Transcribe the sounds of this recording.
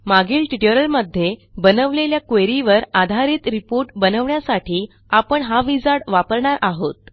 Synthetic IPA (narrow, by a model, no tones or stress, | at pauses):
maɡiːlʈiʈəɾəlməd̪ʱːjebənəʋleljakeɾiʋəɾad̪ʱaɾiːt̪ɾipoɾʈbənəʋɳjasaʈʰiː | apəɳɦaʋid͡zaɽʋapəɾɳaɾʔaɦot̪̚